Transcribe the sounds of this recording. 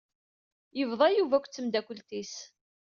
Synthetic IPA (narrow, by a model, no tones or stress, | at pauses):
jəvðˤɑjuvækʷːt͡sːəmd̪ækʷəlt̪is